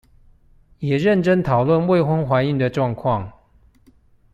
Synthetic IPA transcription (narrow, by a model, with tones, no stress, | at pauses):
jɛ˨˩ɻə˥˨nʈ͡ʂə˥˦nt̪ʰɑ˨˩ʊlwə˥˨nwe˥˨ɪxwə˥ŋxwa˧˥ni˥˩ŋd̪ə˨ʈ͡ʂwɑ˥˧ŋkʰwɑ˥˨ŋ